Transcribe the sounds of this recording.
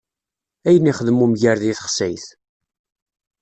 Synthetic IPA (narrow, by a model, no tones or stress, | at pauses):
æjənːiχəðəmumʝəɾðiθə̥χsæjθ